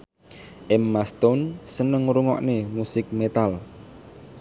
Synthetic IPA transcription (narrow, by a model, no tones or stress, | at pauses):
ʔɛmːast̪ɔnsənəŋɾuŋɔ̰ʔnemusɪk̚met̪al